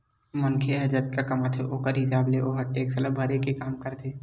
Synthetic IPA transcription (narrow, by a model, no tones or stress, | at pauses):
mənkʰeɦɐd͡ʒət̪̚kakɐmat̪ʰeʔoːkəɾɦɪsaːbleʔoɦɐʈːeːksələbʱɐɾekekaːmkəɾt̪ʰeː